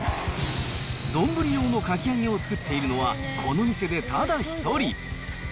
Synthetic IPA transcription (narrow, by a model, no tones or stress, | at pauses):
d̪õ̞mbɯ̟ɾʲijo̞ːno̞kakʲiaŋẽo̞t͡sɨ̥kɯ̟t̪ːe̞iɾɯ̟no̞βakʰo̞no̞mʲise̞d̪e̞t̪ʰad̪açi̥t̪o̞ɾʲi